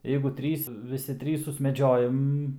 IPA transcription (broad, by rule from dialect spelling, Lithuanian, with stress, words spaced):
ˈjɛɪɡʊ ˈtʲrʲiːs ʋʲɪˈsʲɪ ˈtʲrʲiːs sʊsʲmʲɛˈd͡ʒʲoːjɛm